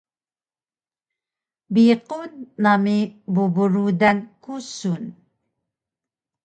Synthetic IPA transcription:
biqunːamibubuɾud̪ankusun

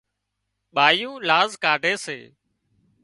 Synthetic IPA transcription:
ɓaːjũːlaːzkaːɖʱeːsḛː

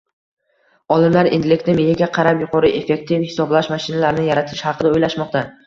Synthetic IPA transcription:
ɒlˠɪmlaɾɪ̰nd̪ɪlɪkʲt̪nɪmejɪɡʲaqʰɑɾapjʊqʰɒɾɨʔe̞fe̞k̚t̪ʰɪfhɪ̥sɒblaʃmaʃɪnalaɾnɪjaɾat̪ʰɪʃhɑqʰɨd̪aojlaʃmɒq̚t̪ʰa

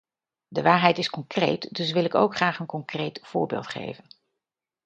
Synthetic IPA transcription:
dəʋaːɹɦɛjtɪskɔŋkrḛjtdɵs̬ʋɪlˠɪko̰wkχraːχənkɔŋkrejtv̥ʊːɹbḛːlˠtχḛjvən

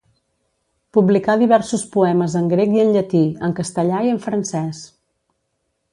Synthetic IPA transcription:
publikaðiβɛɾsuspuɛməzəŋɡɾekiənʎət̪iəŋkəst̪əʎaiəɱfɾənsɛs

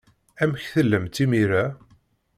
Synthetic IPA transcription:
æmçθəlːəmt̪imiɾæ

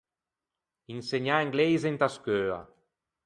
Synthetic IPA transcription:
inseɲaeŋɡlejzent̪askøa̰

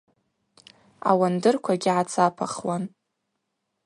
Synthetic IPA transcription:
a̰wandɨrkʷʰaɡʲɪʕat͡sʰapʰa̰χwan

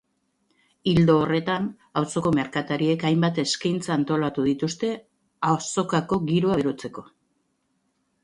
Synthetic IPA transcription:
ild̪o̞ːre̞t̪an | awso̞ko̞meɾkat̪aɾie̞kajmbat̪e̞skajnt͡saːnt̪o̞lat̪uð̞it̪ust̪e̞ | aoso̞kako̞ɡiɾoaβeɾot͡se̞ko̞

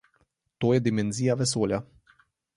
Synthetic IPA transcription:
t̪oːjɛd̪imɛnziːjaʋɛsoːlja

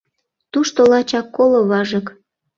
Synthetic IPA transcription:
t̪uʃt̪olɑt͡ɕɑkːoloβɑʒɤ̆k

